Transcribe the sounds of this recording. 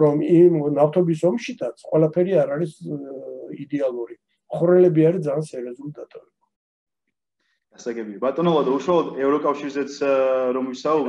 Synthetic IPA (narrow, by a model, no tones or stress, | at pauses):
ɾɔmimnaft̪ʰɔbis̬ɔmʃit̪ʰat̪sʰqʼwɛlˠapʰɛɾiaɾaɾis | id̪ɛalˠuɾi | χuɾɛlɛbiaɾid̪zaːnsɛɾiɔzulid̪at̪ʼavɛba | ɡ̥asaɡɛbiabat̪ʼɔnɔlˠad̪auʃwalˠɔd̪ɛvɾɔkʼafʃiɾzɛt̪sʰɾɔmvisaub